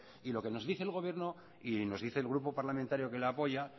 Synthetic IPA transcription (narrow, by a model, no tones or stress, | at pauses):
ilo̞ke̞no̞zðiθeːlɣo̞β̞je̞ɾno | ino̞zðiθe̞ːlɣ̞ɾupo̞paɾlamẽnt̪aɾjo̞ke̞lapo̞ja